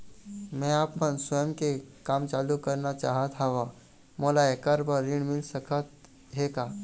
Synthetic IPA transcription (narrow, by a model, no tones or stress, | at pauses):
mɛ̃apːəɳsʋəjəmkekamt͡salukəɾɳat͡ɕa̰ɦət̪ʰaʋa | məlaekaɾbʱəɾːiɳmilsəkʰət̪ | ɦeka